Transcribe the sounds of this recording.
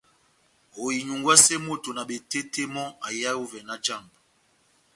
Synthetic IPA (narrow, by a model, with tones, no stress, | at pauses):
ho˨ji˨ɲu˨ŋɡwa˦sɛ˦mo˦˨to˨na˨ɓe˨te˦tʰe˦mɔ˦a˨ja˦o˦vɛ˨na˦d͡ʒa˦˨mb